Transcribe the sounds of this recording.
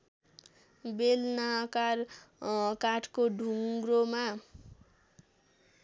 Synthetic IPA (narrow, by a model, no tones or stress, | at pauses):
belnakar | kaʈʰkoɖʱuŋɡɾoma